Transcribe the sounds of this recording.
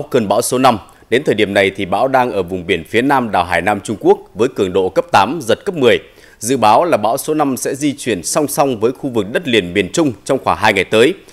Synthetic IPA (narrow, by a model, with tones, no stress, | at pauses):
kə˨˩nɓa̰ː˧˥wso˨˦na˧m | ɗe˨˦nt̪ʰəː˨˩jɗi˧˩əmna˨˩jt̪ʰi˨˩ɓa̰ː˧˥wɗaː˧ŋʔəː˧˩vʊ˨˩ŋ͡mɓi˧˩ənfi˨˦ənaː˧mɗa̰ː˨˩wɦaː˧˩jnaː˧mt͡ɕʊ˧ŋ͡mku˦˥ək̚vəː˨˦jkɨ˧˩əŋɗo̰˧˨kə˦˥p̚t̪aː˨˦mzə˨˩t̚kə˦˥p̚mɨ˨˩əj | zɨ̰˧˨ɓaː˨˦wlaː˨˩ɓa̰ː˧˥wso˨˦na˧msɛ̰˧˥zi˧t͡ɕwi˧˩ənsa˧wŋ͡msa˧wŋ͡mvəː˨˦jxu˧vɨ˨˩k̚ɗə˦˥t̚li˨˧˩ənɓi˧˩ənt͡ɕʊ˧ŋ͡mt͡ɕɔ˧wŋ͡mxwaː˧˩ɦaː˧jŋa˨˩jt̪əː˨˦j